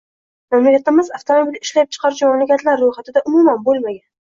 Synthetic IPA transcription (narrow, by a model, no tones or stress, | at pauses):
mamulijat̪ɪmɪzaft̪ʰomobʲilɪʃlap̚t͡ʃʰɨ̥qʰɑɾɪʃmɒlokʲat̪laɾːojχat̪ɪd̪aʔʊmumanbolmaɡʲan